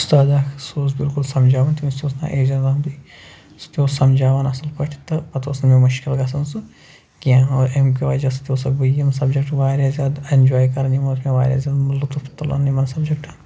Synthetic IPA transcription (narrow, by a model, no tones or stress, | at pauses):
ust̪aːd̪aːkʰsoːs̬bilkulsɐmd͡ʒaːʋɐnt̪imisoːsna̰ːʔeːd͡ʒɐndaːbi | st̪oːsɐmd͡ʒaːʋanɐsɐlpɐʈʰi̥t̪ɨpɐt̪oːsnmemɐʃkilɡɐsɐnsɨ | kiaːoemkeʋaːd͡ʒasɐ̥t̪ʲoːsɐkbɐjɐmsɐbd͡ʒɐkʈʋaːɾʲjaːzjaːd̪end͡ʒaːjkɐɾnimɐːtmẽʋa̰ːɾʲja̰ːzjaːd̪lut̪uft̪ɐlɐ̰nːimɐnsɐbd͡ʒɐk̚ʈɐ